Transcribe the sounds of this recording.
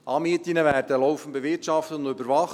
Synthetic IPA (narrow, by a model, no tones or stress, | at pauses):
ʔɑːmiətinəʋæːɾdəlɔwfən̩beʋɪrtʃɑft̪əʊndøbəɾvɑχ